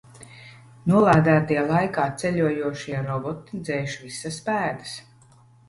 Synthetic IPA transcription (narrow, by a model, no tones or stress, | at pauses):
nuɔlˠaːd̪æːt̪ijɛlˠajkaːt̪sɛʎʲuɔjuɔʃiɛɾɔbɔt̪id̪zɛjʃvisːɐspæːd̪ɐs